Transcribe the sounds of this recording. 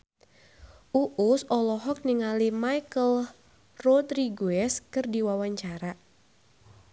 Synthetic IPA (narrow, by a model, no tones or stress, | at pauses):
ʔuʔusɔlɔɦɔk̚niŋalimajkəl | rɔdɾiɡuɛskɨrdiwawaɲt͡ʃaɾa